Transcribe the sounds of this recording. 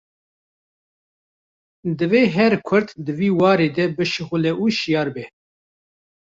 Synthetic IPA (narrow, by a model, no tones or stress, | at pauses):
d̪ɨveːɦɛɾkʰʊɾt̪d̪ɨviːwɑːɾeːd̪ɛbɨʃɨxʊlɛʔuʃijɑːɾbɛ